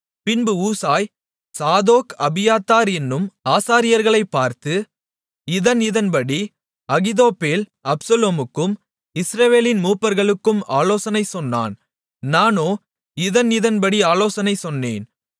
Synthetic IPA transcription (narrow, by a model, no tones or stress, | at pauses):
pɪnbɯuːsaːj | saːðoːkɐbɪjaːt̪ːaːɾɛnːɯmaːsaːɾɪjɐɾɣɐɭɐɪpːaːɾt̪ɯ | ɪðɐnɪðɐnpɐɽi | ɐɣɪðoːpːeːlɐpsɐloːmɯkːɯm | ɪsɾɐʋeːlɪnmuːpːɐɾɣɐɭɯkːɯmaːloːsɐnɐɪsɔnːa̰ːn | naːnoː | ɪðɐnɪðɐnpɐɽiaːloːsɐnɐɪsɔnːḛːn